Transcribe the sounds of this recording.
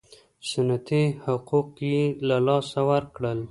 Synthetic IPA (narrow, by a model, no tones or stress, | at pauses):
sʊnat̪ihʊquqjelalɑsawəɾkɽəl